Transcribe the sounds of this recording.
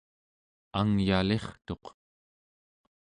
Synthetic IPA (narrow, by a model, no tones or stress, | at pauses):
aŋjale̞χt̪o̞q